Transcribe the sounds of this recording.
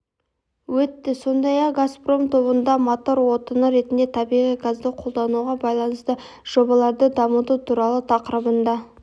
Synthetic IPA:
wɵt̪ːɪso̞nd̪ɑjɑqɡaspro̞mt̪ʰo̞bənd̪ɑmot̪o̞ɾwo̞t̪ənəɾe̞t̪ɪnd̪e̞t̪ʰɑbijʁijɡazd̪əqʰo̞lˠd̪ɑnuʁɑbɑjlˠɑnəst̪ə | ʒ̥o̞bɑlˠɑɾd̪əd̪ɑmət̪ut̪ʰuɾɑlˠət̪ʰɑqəɾəbənd̪ɑ

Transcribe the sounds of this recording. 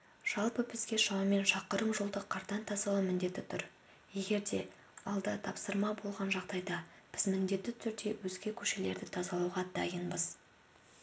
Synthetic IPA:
ʒ̥ɑlˠpəpʰɪzɡʲe̞ʃɑwɑme̞nʃɑqəɾəmʒolˠd̪əqʰːɑɾt̪ɑnt̪ʰɑsɑw̪ˠəmɪnd̪e̞t̪ːɪt̪ʰʏɾ | je̞ɡʲe̞ɾd̪e̞ | ɑlˠd̪ɑt̪ʰɑpsəɾmɑbo̞lˠʁɑnʒɑʁd̪ɑjd̪ɑ | b̥ɪzmɪnd̪e̞t̪ːɪt̪ʰʏɾd̪e̞wɵzɡʲe̞kʲʰɵʃe̞le̞ɾd̪ɪt̪ʰɑzɑlˠɑwʁɑd̪ɑ̰jənbəz̥

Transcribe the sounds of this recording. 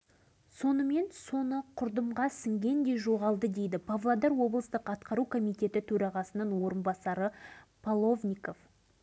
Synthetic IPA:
so̞nəme̞nso̞nəqʰʊɾd̪əmʁɑsɪŋɡʲe̞nd̪e̞jʒo̞ʁɑlˠd̪əd̪e̞jd̪ɪpʰavlˠad̪ɑɾwo̞blˠəst̪əqɑt̪qɑɾukʰo̞mijt̪e̞t̪ɪt̪ʰɵɾɑʁɑsənəɴwo̞ɾənbɑsɑɾəpʰalˠo̞vnʲiko̞f

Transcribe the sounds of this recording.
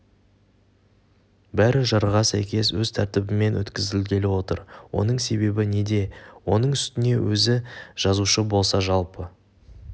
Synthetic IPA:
bæɾɪʒɑɾʁɑsæjkʲe̞swɵzt̪ʰæɾt̪ɪbɪme̞nwɵ̰t̪kʲɪzɪlɡʲe̞lɪwo̞t̪əɾwo̞̰nəɴse̞be̞bɪne̞d̪e̞wo̞nəɴʏst̪ɪne̞wɵzɪʒ̥ɑzuʃəbo̞lˠsɑʒɑlˠpə

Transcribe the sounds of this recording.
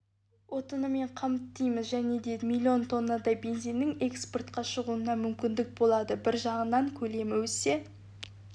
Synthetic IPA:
wʔo̞t̪ənəme̞ɴqʰɑmt̪ːəjməzʒæne̞d̪e̞d̪mʲilʲːio̞nt̪ʰo̞nːɑd̪ɑjbe̞nzijnːɪŋe̞kspo̞rt̪̚qɑʃəʁuənɑmʏmkʲɪnd̪ɪk̚bo̞lˠɑd̪əbɪɾʒɑʁənɑŋkʲʰɵle̞mɪwɵse̞

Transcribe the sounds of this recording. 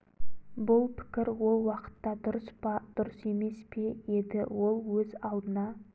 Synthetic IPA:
bʊlˠpʰɪ̥kʲɪɾwo̞lˠwɑqə̥t̪ːɑd̪ʊɾəsbɑd̪̥ʊɾəse̞me̞spe̞je̞d̪ɪwo̞lˠwɵzɑlˠd̪ənɑ

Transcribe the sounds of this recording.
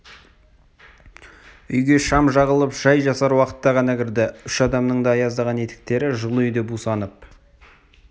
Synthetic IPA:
ʏjɡʲe̞ʃɑmʒɑʁəlˠəpʒ̥ɑjʒɑsɑɾwɑqə̥t̪ːɑʁɑnɑkʲʰɪɾd̪ɪʏʃɑd̪ɑmnəɴd̪ɑːjɑzd̪ɑʁɑne̞t̪ɪ̥k̚t̪e̞ɾɪʒəlˠʏjd̪e̞busɑnəp̚

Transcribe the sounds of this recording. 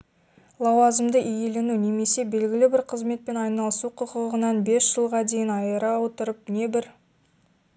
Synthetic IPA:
lˠɑwɑzəmd̪əʔije̞lenune̞me̞se̞be̞lɡʲɪlɪbɪɾqʰəzme̞t̪̚pe̞nɑjnɑlˠəsuqʰʊqʰəʁənɑnbe̞sʒ̥əlˠʁɑd̪e̞jɪnɑjəɾɑwot̪əɾəp̚ne̞bɪɾ

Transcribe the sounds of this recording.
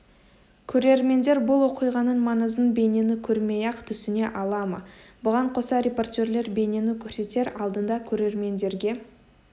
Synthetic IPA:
kʲʰɵɾe̞ɾme̞nd̪e̞ɾbʊlˠwo̞qijʁɑnənmɑnəzd̪ənbe̞ne̞nɪkʲʰɵɾme̞jɑqt̪ʰʏsɪne̞ʔɑlˠɑmə̰bʊʁɑɴqʰo̞sɑɾʲe̞po̞rt̪ʲe̞ɾle̞ɾbe̞ne̞nɪkʲʰɵɾse̞t̪e̞ɾɑlˠd̪ənd̪ɑkʲʰɵɾe̞ɾme̞nd̪e̞ɾɡʲe̞

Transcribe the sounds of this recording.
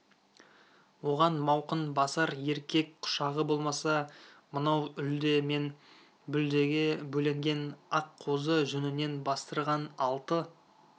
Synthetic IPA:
wo̞ʁɑnmɑwqənbɑsɑɾe̞ɾkʲʰe̞kqʰʊ̥ʃɑʁəbo̞lˠmɑsɑmənɑwʏld̪e̞me̞n | bʏld̪e̞ɡʲɪbɵle̞ŋɡʲe̞nɑqʰːo̞zəʒɵnɪne̞nbɑst̪əɾʁɑnɑlˠt̪ə

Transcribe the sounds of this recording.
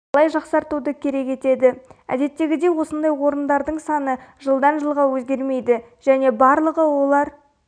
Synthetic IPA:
ɑlˠɑjʒɑqsɑɾt̪ud̪əkʲʰe̞ɾe̞kʲe̞t̪e̞d̪ɪæ̰d̪e̞t̪ːe̞ɡʲɪd̪e̞wo̞sənd̪ɑjwo̞ɾənd̪ɑɾd̪əɴsɑnəʒəlˠd̪ɑnʒəlˠʁɑwɵzɡʲe̞ɾme̞jd̪ɪ | ʒ̥æne̞bɑɾlˠəʁəwo̞lˠɑɾ

